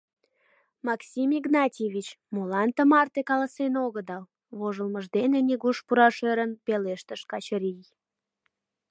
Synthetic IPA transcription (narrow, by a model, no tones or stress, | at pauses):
mɑksʲimiɡnɑtʲeβʲit͡ɕ | molɑnt̪əmɑrt̪ekɑləsenoɣəd̪ɑl | βoʒəlməʒd̪eneniɣuʃpuɾɑʃeɾənpeleʃt̪əʃkɑt͡ɕəɾij